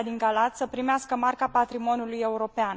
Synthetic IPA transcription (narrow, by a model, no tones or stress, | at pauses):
d̪iŋɡalat̪səpɾimeaskəmarkapat̪ɾimo̞nuluje̞uɾo̞pean